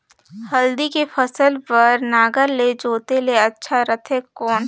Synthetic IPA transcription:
həld̪ikepəsəlpəɾnaːɡəɾled͡ʒoːt̪eleɐtːʃʰaɾət̪ʰekɔːn

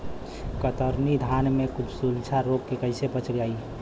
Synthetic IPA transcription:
kət̪əɾnid̪ʱanmekut͡ʃʰsult͡ʃʰaɾoɡ̚kekəɪsepət͡ʃʰlɡai

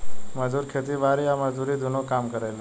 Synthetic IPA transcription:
məd͡ʒuːɾkʰet̪iʋaɾiaməzuɾid̪ʱunokaːmkəɾel

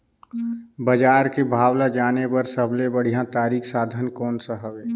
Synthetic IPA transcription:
bəd͡ʒaːɾkebʱaːwlad͡ʒaːnebəɾsəbʱlebəɽ̤ijãt̪aːɾiːkʰsaːd̪ʱənkɔːnsaɦəbeː

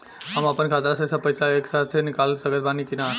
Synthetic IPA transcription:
ɦəməpənkʰat̪ɾasəsə̃pəjsaeksat̪ʰenikalsəɡəɾbanikina

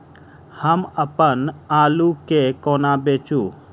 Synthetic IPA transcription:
həməpənaːlukekoːnabeːt͡ʃuː

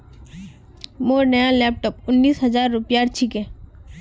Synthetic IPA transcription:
moːɾnəjalɛːp̚ʈəpʊnːiːsɦɐzaːɾːʊpjaːɾt͡ʃʰikɛː

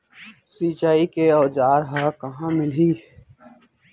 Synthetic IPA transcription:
siːt͡ʃaːikeɔːd͡ʒaːɾɦaːkɐɦãmɪlɦiː

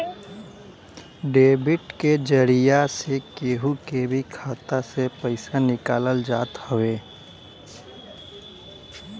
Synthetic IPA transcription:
ɖeːbɪʈked͡ʒəɾijasekeːɦukebʱikʰaːt̪asepəɪsanɪkaːləld͡ʒaːt̪həʋeː

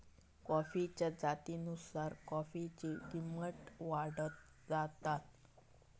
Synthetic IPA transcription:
kɔfit͡ɕjad͡zat̪inusaɾkɔfit͡ɕekiməʈʋaɽət̪ | d͡zat̪at̪

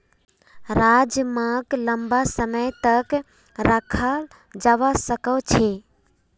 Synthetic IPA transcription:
ɾad͡ʒmãkləmbasəməjt̪ək | ɾəkʰəl | d͡ʒaʋasəkət͡ʃʰe

